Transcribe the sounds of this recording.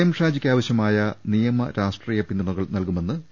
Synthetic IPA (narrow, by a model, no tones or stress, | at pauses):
jɐmʂaːd͡ʑikʲːaːʋɐɕjɐmaːjɐnijɐmɐɾaːʂʈriːjɐpind̪ːɐɳuɣɐɭnɐlkume̞nːɨ